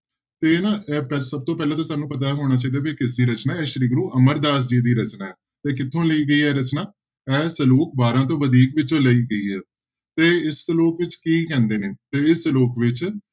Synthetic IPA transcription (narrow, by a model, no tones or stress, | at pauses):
t̪eːnaːɛpɛsəb̚t̪õːpɛːlãːt̪ãːsaːnːũːpət̪̬aːɦoːɽ̃aːt͡ʃeːd̪aːbeːkɪs̬d̪iːɾət͡ʃnaːɛːʃəɾiːɡɾuːʔəməɾd̪aːs̬d͡ʒiːd̪iːɾət͡ʃnaːɛː | t̪eːkɪt̪ʰːõːləiːɡəiːɦɛːɾət͡ʃnaː | ɛːsəluːkbaːɾãːt̪̬õːʋəd̪iːkʋɪt͡ʃõːləiːɡəiːɦɛː | t̪eːɪsloːkʋɪt͡ʃkiːkɛ̃ːnd̪eːneːt̪eːɪsloːkʋɪt͡ʃ